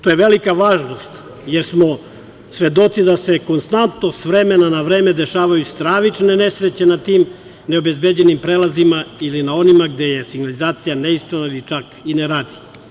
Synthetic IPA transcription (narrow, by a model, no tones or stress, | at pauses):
t̪ojeʋe̞likaʋaːʒno̞st̪ | jeɾsmo | sʋe̞d̪o̞t̪sid̪ase̞ko̞nst̪ant̪no̞sʋɾe̞menanaʋɾeːme̞d̪e̞ʃaːʋajust̪ɾaːʋit͡ʃne̞ne̞sɾet͡ɕe̞nat̪iːm | neo̞be̞zbed͡ʑe̞nimpɾeːlazimailinao̞nimaɡd̪e̞je̞siɡnalizaːt̪sijaneispɾanodit͡ʃakineɾaːd̪i